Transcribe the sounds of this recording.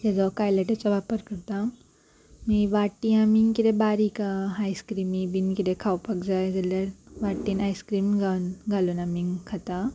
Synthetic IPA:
jed͡zɔkajleʈet͡ɕɔʋapəɾkəɾt̪a | miʋaʈiamiŋkid̪ebaɾikaɦajskɾimĩbinkid̪ekʰawpəkd͡zajd͡zɐləɾʋaʈinajskɾiːmɡanɡʱaluːnamiŋkʰat̪a

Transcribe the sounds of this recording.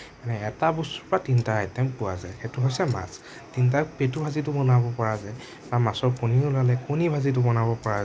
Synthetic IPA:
manɛɛtabusuɹpatintajtɛnpuwa̰zajxetʊɦojsɛma̰s | tint̬apetubʱazit̬ʊbɔnabɔpɔɹazaj | bamasɔɹpɔniulalɛkunibʱazit̬ʊbɔnabɔpɔɹaz

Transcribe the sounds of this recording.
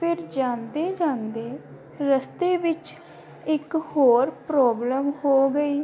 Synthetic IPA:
pʰɪɾd͡ʒãːnd̪eːd͡ʒãːnd̪eː | ɾəst̪eːʋɪt͡ʃ | ɪkhoːɾpɾɔːbləmhoːɡəiː

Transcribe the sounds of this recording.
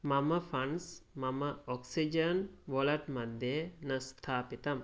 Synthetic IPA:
mɐməfɐnsmɐməɔksid͡ʒənʋolɐʈmad̪ːejənəst̪ʰaːpit̪ɐm

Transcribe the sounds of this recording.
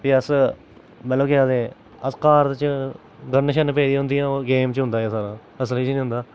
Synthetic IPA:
piːəs | mət̪ləbkɪaːd̪eː | əskaːɾt̪t͡ʃ | ɡənːəʃənːpeːd̪iːʊ̃nd̪iːãːɡeːmt͡ʃɦʊ̃nd̪aːeːsaːɾãː | əsəliːt͡ʃnĩːɦʊ̃nd̪aː

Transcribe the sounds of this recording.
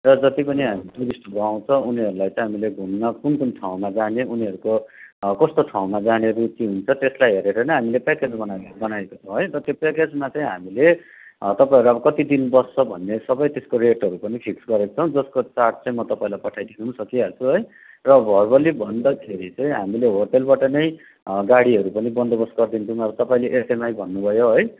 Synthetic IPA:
rʌd͡zʌt̪ipʌniɦamitud̪isʈʰʌɡaw̃t͡sʰʌ̃uniɦʌɾulajt͡sʌj̃ɦamileɡʱunːʌkunkunʈʰaw̃mad͡zaneuniɦʌɾukokʌst̪oʈʰaw̃mad͡zaneɾut̪iɦunt͡sʰʌt̪eslajɦeɾeɾʌnʌɦamilepaket͡sbʌnbʌnajekot͡sʰʌ̃ɦʌjɾʌt̪jepaket͡smat͡sʌĩɦa̰mile | t̪ʌpaẽɾuʌbʌkʌt̪id̪inbʌsʌbʱʌnːesʌbʌjt̪eskoɾeʈɦʌɾupʌnipʰiksɡʌɾekt͡sʰʌ̃w̃d͡zʌskot͡sarʈ̚t͡saĩmʌt̪ʌpaĩlajpʌʈʰajd̪ʰʱinunsʌkiat͡sʰuɦʌj | rʌbʱʌrbʌlibʱʌnd̪ʌkʰeɾit͡sãĩɦamileɦorʈelbaʈʌnʌj̃ | ɡaɽiɦʌɾupʌnibʌnd̪obʌsɡʌrd̪int̪ʰiũʌbʌt̪ʌpaĩleʔesemajbʱʌnːubʱʌjoɦʌj

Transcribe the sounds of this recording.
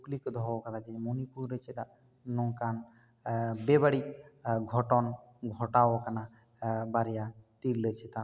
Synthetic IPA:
klikod̪ʱɔokat̪ʰad͡ʒemonipuɾːet͡ʃʰet̪a | nɔŋkan | bebaɽiɡʱɔʈɔn | ɡʱɔʈaokana | baɾijat̪iɾlet͡ʃʰet̪a

